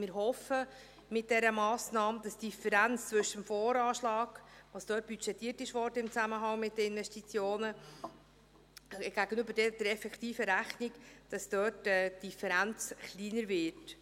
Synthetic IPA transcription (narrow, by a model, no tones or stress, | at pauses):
mɪːɾɦɔfə | mɪt̚d̥ɛɾəmɑːsnɑːmd̥̪ɑsd̥ifɛɾænt͡st͡svʏʃəmfoːɾɑːʃlɑːɡ̥ʋɑsd̥œːt̚b̥yt͡ʃɛt̪ːiːərtɪʃʋɔːrdəɪmt͡sæməɦɑŋmɪtdəɪnvɛʃtit͡sjoːnə | ɡ̥æɡ̥ənøbədɛd̥əɾɛfɛktiːfəɾæχnikd̥ɑsd̥œːtɛd̥ifɛɾænt͡sχliːnəɾvɪt